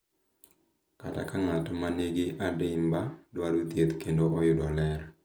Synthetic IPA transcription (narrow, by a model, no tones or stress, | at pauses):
kata̰kaŋatmaneɡɪʔadembadwaɾut̪jet̪kendoʔɔjʊdɔlɛɾ